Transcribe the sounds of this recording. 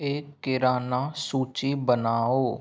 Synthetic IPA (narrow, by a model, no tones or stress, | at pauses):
eːkːɪɾaːnaːsuːt͡ʃibənaːoː